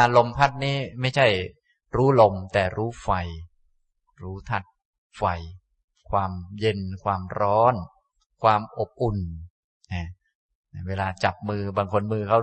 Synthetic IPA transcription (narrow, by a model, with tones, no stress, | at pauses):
lo˧mpʰa˦˥˩t̪̚niː˦˥ma˥˩jt͡ɕʰa˥˩j | ɾuː˦˥lo˧mt̪ɛː˨˩ɾuː˦˥fa˧˩j | ɾuː˦˥t̪ʰa˦˩t̪̚ | fa˨˧˩j | kʰwaː˧mje˧nkʰwaː˧mɾɔː˦˥n | kʰwaː˧mʔo˨˩p̚ʔu˨˩n | nɛ˧˩ | n˧˩weː˧laː˧t͡ɕa˨˩p̚mɯː˧baː˧ŋkʰo˧nmɯː˧kʰa˦˥